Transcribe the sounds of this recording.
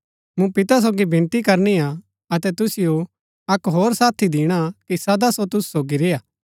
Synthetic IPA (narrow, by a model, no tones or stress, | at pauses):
mũpɪt̪as̬oːɡibɪ̃nt̪ikɐɾnia | ɐt̪ɛt̪ʊsɪjo | ɐkɦoːɾsaːt̪ʰid̪iːɽ̃akisɐd̪asot̪ʊssoːɡiɾɪjaː